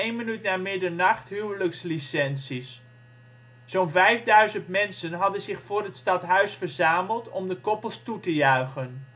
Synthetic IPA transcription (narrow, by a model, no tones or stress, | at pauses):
ejnmənytnaːmɪdəɹnɑχtɦywləkslisɛnsis | onvɛjvdœɥzəntmɛnsənɦɑdənzɪχfʊːrətstɑtɦœɥsfərzaːməlˠtɔmdəkɔpəlˠstutəjœɥχən